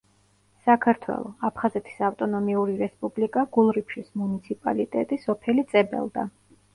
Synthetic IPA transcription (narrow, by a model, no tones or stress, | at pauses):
sakʰaɾt̪ʰwɛ̰lˠɔ̰apʰχazɛt̪ʰi̥saft̪ʼɔnɔmiuɾiɾɛspʼublikʼaɡ̥ulˠɾipʃismunit̪sʰipʼa̰lit̪ʼɛ̰t̪ʼisɔpʰɛlit̪sʼɛbɛ̰lˠd̪a